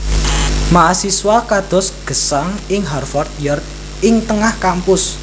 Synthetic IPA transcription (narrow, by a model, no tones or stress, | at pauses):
maʔːsiswakad̪̥ɔ̤sɡ̥ə̤saŋɪŋɦarfɔrt̪̚jɔrt̪̚ | ɪŋt̪əŋahkampʊs